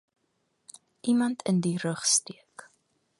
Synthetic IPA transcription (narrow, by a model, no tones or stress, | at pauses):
ʔimɐntʰəndiɾəχstiək